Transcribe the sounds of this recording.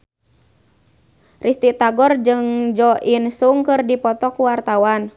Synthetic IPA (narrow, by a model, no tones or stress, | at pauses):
rʔist̪it̪aɡɔrd͡ʒɨŋd͡ʒɔʔinsuŋkɨrdipɔt̪ɔkuwart̪awan